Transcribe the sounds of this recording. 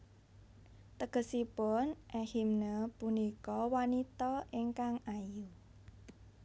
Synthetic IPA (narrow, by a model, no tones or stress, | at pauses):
t̪əɡ̥əsipʊnʔɛhimnəpunikɔwanit̪ɔʔiŋkaŋaju